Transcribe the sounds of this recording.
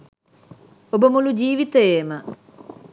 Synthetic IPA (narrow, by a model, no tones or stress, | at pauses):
obəmulud͡ʒiːʋit̪əjeːmə